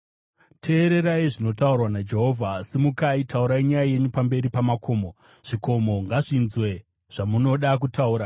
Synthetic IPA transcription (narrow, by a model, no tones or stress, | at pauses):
tʰe̞ːɾe̞ɾaiʐino̞taurwanad͡ʒe̞ɦo̞ːvʱasimukaitʰauɾaiɲajaje̞ɲupambe̞ɾipamakʰo̞ːmo̞ | ʐ̥iko̞mo̞ŋɡaʐinzwe̞ | ʐ̥amuno̞ɗak̬utauːɾa